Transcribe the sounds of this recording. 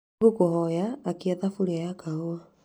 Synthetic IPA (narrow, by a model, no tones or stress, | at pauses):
ɡokohɔjaːkiaðafuɾeajakahoa